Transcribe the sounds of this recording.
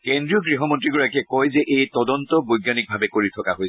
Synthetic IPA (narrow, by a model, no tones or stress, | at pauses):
kendɹiɔɡɹiɦɔmɔntɹiɡuɹakɛkɔjzɛʔejtɔdɔntɔbojɡanik̚bʱabɛkoɹitʰɔkaɦojs